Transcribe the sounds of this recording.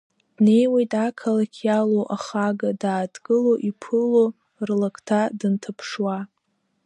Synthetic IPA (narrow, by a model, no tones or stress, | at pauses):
d̥ne̞jwejtʼakʰalakʲʰjaloʔaχaɡadaːdɡʼɨloʔipʰɨlo | rlakʰʼtʰadɨntʰapʰʂwa